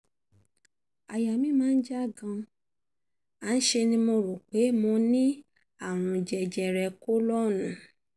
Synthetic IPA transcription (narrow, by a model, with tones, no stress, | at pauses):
a˨ja˨mĩ˦mãː˦˧n̩˦d͡ʒa˦˨ɡã˧ | a˨˦n̩˦ʃe˧nĩ˧mõ˧ɾo˨k͡pe˨˦mõ˧nĩ˦ | a˦˨ɾ̃ũ˧d͡ʒɛ˧d͡ʒɛ˨ɾɛ˧ko˦lɔ˦˨nũ˨˦